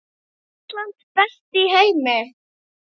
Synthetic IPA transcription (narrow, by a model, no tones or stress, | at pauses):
tlant̪b̥ɛst̪ihejmɛ